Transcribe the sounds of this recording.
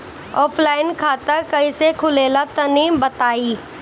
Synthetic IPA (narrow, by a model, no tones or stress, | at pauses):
ɔːpʰlaːɪnkʰaːt̪əɾkɐisekʰʊleːlat̪ɐniːmbɐt̪aːiː